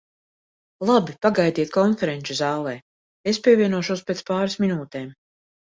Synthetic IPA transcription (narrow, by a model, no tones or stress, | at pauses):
lˠabipaɡajd̪iɛt̪̚kɔnfɛɾɛnt͡ʃ̪uzaːlˠɛː | espʲiɛvʲiɛnuɔʃuɔspet̪spaːɾasminuːt̪eːm